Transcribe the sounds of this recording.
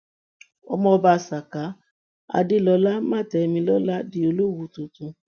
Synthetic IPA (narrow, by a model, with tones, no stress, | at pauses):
ɔ˧mɔ̃˧ɔ˧ba˧˨sa˨ka˨˦ | a̰˧de˦lɔ˧˦la˦mã˦˨tɛ˨˧mĩ˧lɔ˦la˦di˧˦o˧lo˦wu˦tũ˨tũ˧